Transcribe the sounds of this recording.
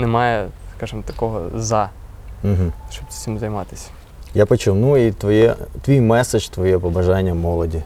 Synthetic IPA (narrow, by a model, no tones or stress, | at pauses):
nɛmɑjɛskɑʒɨmt̪ɐkɔɦɔ̰zɑ | m̩ɦm̩ʃt͡ʃɔbʲsʲɪmzɐjmɑt̪ɪ̥sʲɐ̥ | japɐt͡ʃɪnuit̪ʋɔjɛt̪ʋʲijmɛset͡ʃt̪ʋɔjɛpɐbɐʒɑnʲːɐmɔlˠɔdʲi